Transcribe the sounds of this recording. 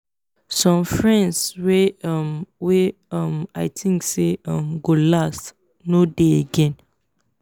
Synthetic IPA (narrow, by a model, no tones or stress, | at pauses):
sɔ̃mfɹɛ̃ndswemwe | ɔmaɪtʰĩŋkseɔ̃mɡolast | nodeeɡɛ̃n